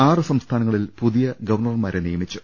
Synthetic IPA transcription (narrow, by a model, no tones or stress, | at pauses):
aːrɨsɐmst̪ʰaːnɐŋːɐɭilpuðijɐɡɐʋɐrɳɐrmaːɾenijɐmit͡ɕːu̥